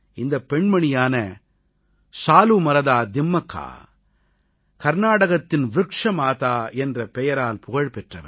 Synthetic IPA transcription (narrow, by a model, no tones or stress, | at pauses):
ɪnd̪ɐpːɛɳmɐɳɪjaːnɐ | saːlumɐɾɐðaːd̪ɪmːɐkʰːa̰ː | kɐɾnaːɽɐɣɐt̪ːɪnʋɾɯkʂɐmaːt̪aːɛndrɐpɛjɐɾaːlpʊɣɐɻpɛʈrɐʋɐ̰